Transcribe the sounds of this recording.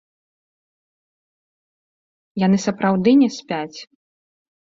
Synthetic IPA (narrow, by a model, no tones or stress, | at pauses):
jan̪ɨsɐpɾawd̪ɨnʲɛsʲpʲat͡sʲ